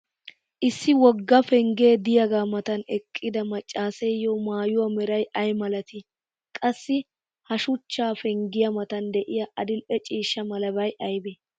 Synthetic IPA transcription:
ʔɪsːɪwɔɡːɐfɛŋɡe̞ːd̪ɪjɐɡaːmɐt̪ɐnɛkʼːɪd̪ɐmɐt͡ʃʼːaːsɛjjɔmaːjʊwɐmɛɾɐjɐjmɐlɐt̪ɪ | kʼɐsːɪ | hɐʃʊt͡ʃːaːfɛŋɡɪjɐmɐt̪ɐnd̪ɛʔɪjɐʔɐd̪ɪlɛt͡ʃʼiːʃːɐmɐlɐbɐjʔɐjbɛ

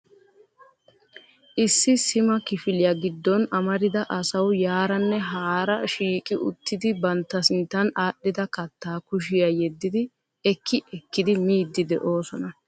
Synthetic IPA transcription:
ʔɪsːɪsɪmɐkɪfɪlɪjɐɡɪd̪ːɔnɐmɐɾɪd̪ɐʔɐsɐwjaːɾɐnːɛɦaːɾɐʃiːkʼɪʔʊ̰t̪ːɪd̪ɪbɐnt̪ːɐsɪnt̪ːɐnaːɗːɪd̪ɐkɐt̪ːaːkʊʃ̬ɪjɐjɛd̪ːɪd̪ɪ | ɛkʰːɪʔɛkːɪd̪ɪmiːd̪ːɪd̪ɛʔo̞ːsɔnɐ

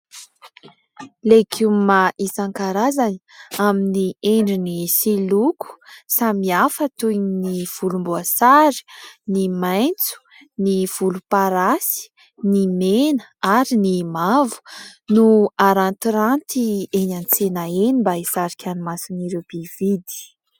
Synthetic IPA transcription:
lekʰiumaʔisaŋkaɾazani̥aminieɳɖ͡ʐinisilukʰu̥samiafət̪ujniv̥ulumbuasaɾi̥nimajnt͡su̥ | niv̥ulupaɾasi̥ | nimenəaɾinimavu̥nuaɾant̪iɾant̪ieɲant͡senaenimbaisaɾikʲʰanimasiniɾewb̥iv̥id̪i̥

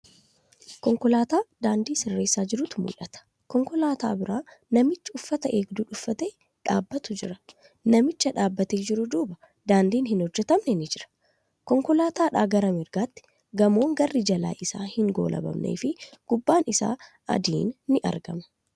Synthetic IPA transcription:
kɔŋkɔlaːt̪aːd̪aːnd̪iːsɪrːe̞ːsːaːd͡ʒɪɾʊt̪mʊ̰lɐt̪ɐ̥ | kɔŋkɔlaːt̪aːbɪɾaːnɐmɪt͡ʃːɐʊfːɐt̪ɐʔe̞ːɡd̪uːᶑʊfːɐt̪e̞ː | ᶑaːbːɐt̪ʊd͡ʒɪɾɐ̥ | nɐmɪt͡ʃːɐᶑaːbːɐt̪eːd͡ʒɪɾʊd̪uːbɐ | d̪aːnd̪iːnɦɪnhɔd͡ʒːɛt̪ɐmnɛnɪd͡ʒɪɾɐ̥ | kɔŋkɔlaːt̪aːᶑaːɡɐɾɐmɪɾɡaːt̪ːɪ̥ | ɡɐmo̞ːŋɡɐrːɪd͡ʒɐla̰ːʔɪsa̰ːhɪŋɡo̞̰ːlʔɐ̰bɐ̰mnḛːfɪɡ̥ʊbːaːnɪsa̰ː | ɐ̰d̪ḭːnːɪʔɐ̰ɾɡɐ̰mɐ̥

